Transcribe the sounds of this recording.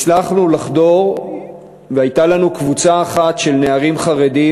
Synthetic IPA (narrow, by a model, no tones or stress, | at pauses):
t͡slaχnulaχdo̞ʁ | vehajtalanukvut͡saːχatʃe̞lne̞aʁimχaʁedi